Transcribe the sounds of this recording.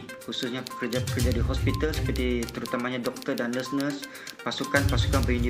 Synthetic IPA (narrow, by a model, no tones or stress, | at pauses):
hususɲakərd͡ʒaəkərd͡ʒadiɦɔspit̪alsə̥pərt̪it̪əɾut̪amaɲadɔk̚t̪ərdanəsnəs | pasukanpasu̥kanpəindi